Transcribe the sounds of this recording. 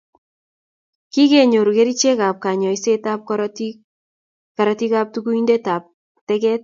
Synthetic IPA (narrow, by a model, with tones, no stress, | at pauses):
ki˦ke˨ɲo˨ɾu˨ke˦ɾi˦t͡ʃe˦ka˨p̚ka˨ɲɔ˨i˦se˦ta˦p̚kt | ka˨ɾati˦ka˦p̚tu˦ku˦inde˦ta˨p̚ | tɛ˦kɛ˦t̚